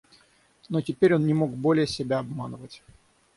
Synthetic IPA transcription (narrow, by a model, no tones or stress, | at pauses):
notʲɪpʲeɾʲo̞nnʲɪmo̞kbo̞lʲɪjəsʲɪbʲaɐbmanəvətʲ